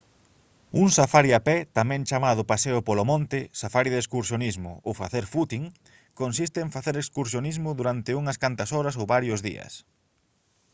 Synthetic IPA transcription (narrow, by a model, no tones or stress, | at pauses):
uŋsafaɾjapɛt̪amɛ̃ŋt͡ʃamaðʊpaseʊpolomõnt̪ɪsafaɾjiðeskuɾsjonizmʊ̰owfaθeɾfut̪iŋ | konsist̪ɪːɱfaθeɾekskuɾsjonizmʊðuɾant̪ɪuŋɐskant̪ɐsɔɾɐsowβaɾjʊzðḭɐ̰s